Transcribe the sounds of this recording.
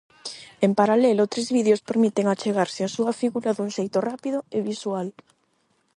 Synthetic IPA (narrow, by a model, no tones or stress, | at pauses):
empaɾalelot̪ɾezβiðjospeɾmit̪eŋat͡ʃeɣ̞aɾsɪasuafiɣuɾaðunʃejt̪orapiðʊeβiswal